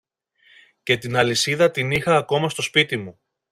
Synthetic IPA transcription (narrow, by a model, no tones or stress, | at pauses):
ce̞t̪inɐlisiðɐt̪inixɐːko̞mɐst̪o̞spit̪imu